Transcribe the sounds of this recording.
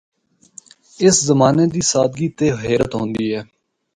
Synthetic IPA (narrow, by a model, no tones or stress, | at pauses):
ɪszəmaːneːd̪iːsaːd̪ɡiːt̪eːɦeːɾət̪ɦõːnd̪iːɦɛː